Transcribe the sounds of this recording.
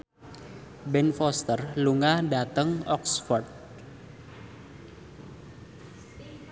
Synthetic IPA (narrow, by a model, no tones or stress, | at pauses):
bɛnfɔst̪ərluŋahɖat̪əŋɔksfɔrt̪̚